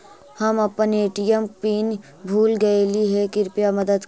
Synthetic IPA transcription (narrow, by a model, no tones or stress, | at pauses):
hɐmɐpəneːʈijəmpiːn | bʱuːlɡɐeliɦɛkɪɾpijamɐd̪əd̪